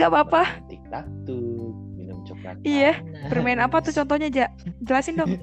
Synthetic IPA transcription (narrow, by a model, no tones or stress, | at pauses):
abapat̪ik̚t̪ak̚t̪uminumt͡ʃɔa̰ijabərmaɛnapat̪uht͡ʃɔnt̪ɔhɲad͡ʒaʔd͡ʒəlasɪndɔŋ